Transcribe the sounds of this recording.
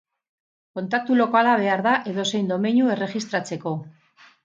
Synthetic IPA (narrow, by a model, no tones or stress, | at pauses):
ko̞nt̪ak̚t̪ulo̞kalaβ̞e̞aɾðaʔe̞ðo̞se̞jnd̪o̞meɲue̞re̞ʝist̪ɾat͡se̞ko̞